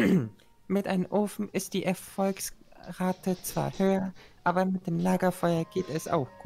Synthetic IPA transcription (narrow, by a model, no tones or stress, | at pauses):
mɪtʔaɪnəmʔoːfn̩ɪst̚d̥iːʔɛɐfɔlksʁaːtʰət͡sv̥a̰ːɐhøːɐʔʔaːbɐmɪt̚d̥eːmlaːɡɐfɔʏɐɡ̥eːtɛsa̰ʊxɡ̥uːt